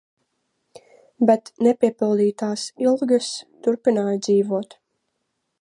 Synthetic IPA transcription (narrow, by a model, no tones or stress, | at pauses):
bɛt̪nɛpʲiɛpilˠd̪iːt̪aːsilˠɡast̪uɾpinaːjd̪ziːvuɔt̪